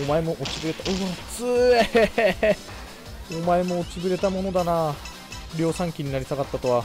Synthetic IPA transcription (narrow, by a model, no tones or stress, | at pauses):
omae̞mo̞ʔot͡sibɯɾe̞t̪aɯat͡sɨe | omae̞mo̞ːt͡sibɯɾe̞t̪amo̞no̞d̪anaː | ɾʲo̞ːsãŋkʲiɲ̟inaɾʲisaɡat̪ːat̪o̞βa